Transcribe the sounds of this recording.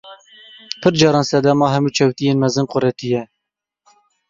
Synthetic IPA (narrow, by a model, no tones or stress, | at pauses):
pʰɨɾd͡ʒɑːɾɑːnsɛd̪ɑmɑːɦɛmuːt͡ʃʰɛwt̪ijeːnmɛzɨnqʊɾɛt̪ijɛ